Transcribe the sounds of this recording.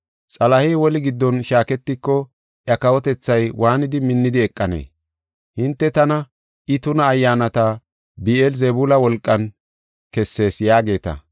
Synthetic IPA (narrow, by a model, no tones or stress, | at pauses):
t͡sʼɐlɐheːwɔlɪɡɪd̪ːɔnʃaːkɛt̪ːɪkːɔ | ʔjɐkɐwɔt̪ɛt͡sːɐjwʔaːnɪd̪ɪmɪnːɪd̪ɪɛkʼːɐnḛː | hɪnt̪ːɛt̪ɐnɐ | ʔɪt̪ʊnɐːjːaːnɐt̪ɐ | bielzɛbulɐwɔlkʼːɐn | kɛsːe̞ːsjaːɡe̞ːt̪ɐ̰